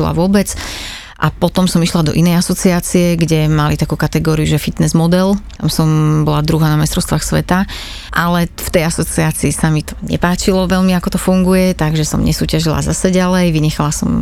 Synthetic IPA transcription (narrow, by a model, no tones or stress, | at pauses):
ila̰ʋʊɔbɛt͡s | ʔapɔt̪ɔmsɔmiʃlad̪ɔ̰ʔinɛjasɔt͡siaːt͡siɛɡɟɛmalit̪akuːkat̪ɛɡɔːɾiuʒɛfit̪nɛzmɔd̪ɛlt̪a̰msɔmbɔlad̪ɾuɦaːnamɛst̪ɾɔʊst̪ʋaːxsʋɛ̰t̪a | ʔalɛft̪ɛjasɔt͡siaːt͡siːsamit̪ɔ̥ɲɛ̰paːt͡ʃilɔʋɛlmiakɔt̪ɔfuŋɡujɛt̪aɡʒɛsɔ̰mɲɛ̰suːcaʒila̰zasɛɟalɛjʋiɲɛxalasɔ̰m